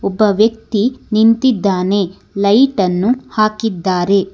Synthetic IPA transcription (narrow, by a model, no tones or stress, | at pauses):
ɔbːɐʋjɐk̚t̪inint̪id̪ːaːne̞ | lɐjʈɐnːuhaːkid̪ːaːɾe̞